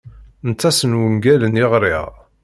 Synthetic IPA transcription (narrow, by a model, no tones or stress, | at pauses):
nt͡s̪ːæsənwəŋɡælənɪʁɾɪ̰ʁ